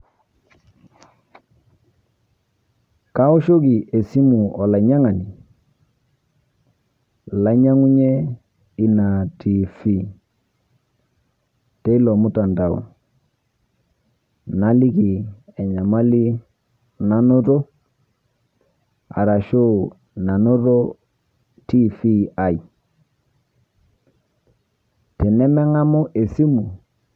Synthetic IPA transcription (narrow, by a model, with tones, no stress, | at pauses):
ka˦o˦ʃo˦ki˨ʔe˨si˦mu˨ɔ˨la˨ɲa˦ŋa˨ni˨ | la˦ɲa˦ŋu˦ɲɛ˦ | i˦na˨ti˨fi˦˨ | te˦i˦lɔ˨mu˦ta˨nda˨ṵ˨ | na˦li˦ki˨ɛ˨ɲa˨ma˦li˦ | na˨no˦ɾo˦ | a̰˨ɾa˨ʃo˦ | na˨no˦ɾɔ˦ | ti˦fi˦a˨i˨ | tɛ˨nɛ˦mɛ˦ŋa˦mɔ˦ʔe˨si˦mu˨